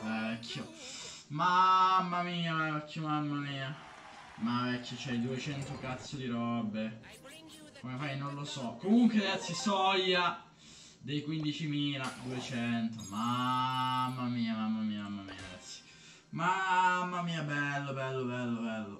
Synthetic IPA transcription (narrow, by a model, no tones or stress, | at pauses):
vɛɛkʰːjo | mamːamiːavvɛkʰːjomamːamiːa | mavɛkːjot͡ʃɛjd̪uet͡ʃɛnt̪okat̪sːod̪iɾɔbːe | komefajnonlosɔkːomuŋkweaɡat̪sːisɔjːa | d̪ejkwind̪it͡ʃimiːlad̪uet͡ʃɛnt̪oma | mːamiːamamːamiːamamːamḭːa̰ɡat̪sːi̥ | mamːamiːabɛlːobɛlːobɛlːobɛlːo̰